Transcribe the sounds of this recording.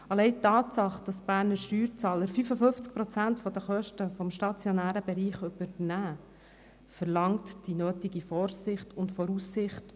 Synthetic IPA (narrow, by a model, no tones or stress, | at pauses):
ɑlɛɪt̪ːɑːtsɑχd̥ɑsb̥æːɾnəɾʃtyːɾt͡sɑːləɾfyfəfɵnft͡sk̚pɾɔt͡sæntfɔd̪əχœʃtəfɔmʃtɑt͡sjonæːɾəbɛɾiːχʏb̥əɾnæː | fəɾlɑŋtd̥inøːtiɡifɔːɾsɪχtʊndfɔɾusːɪχt